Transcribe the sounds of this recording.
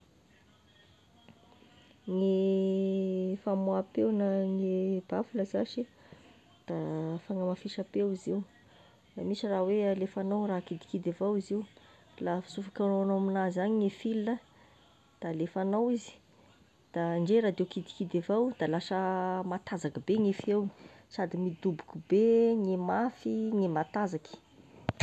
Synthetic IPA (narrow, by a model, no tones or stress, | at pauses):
ŋe | famwapewnəŋeb̥afuləzaʃi | d̪̥afaŋamafiʃapewiziw | damisirawealefanawrakid̪i̥kid̪avawiziw | lafi̥sufakanoanowaminazaɲiŋefilə | d̪̥aːlefanawizi̥ | d̪̥aɳɖ͡ʐeɾad̪ewkid̪i̥kid̪evawd̪̥alaʃəmat̪azakəbeŋefew | sad̪imid̪ubu̥kubeŋemafiŋemat̪azaki̥